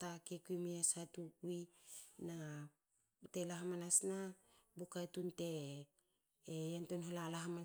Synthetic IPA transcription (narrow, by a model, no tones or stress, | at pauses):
takekuimiasatuwina | telaɦamanasnabukajtunte | ejantonɦolalaɦama